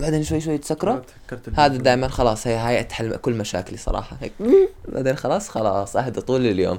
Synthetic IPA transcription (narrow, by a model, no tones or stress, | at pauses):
baʕd̪eːnʃwajːʃwajːt̪sakːɾˤɑ | ɾhaːd̪ad̪aːʔɪmanxɑlɑːsˤhɪjːɦaːjʔat̪ħalkʊlːmaʃa̰ːkɪlisˤɑ̰ɾˤɑ̰ːħɑhekba̰d̪axɑlɑːsˤxɑlɑːsˤʔahd̪it̪ˤuːlːɪljo̰ːm